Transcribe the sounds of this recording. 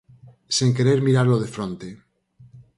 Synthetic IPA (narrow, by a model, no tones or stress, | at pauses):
siŋkeɾeɾmiɾaɾloð̞efɾont̪e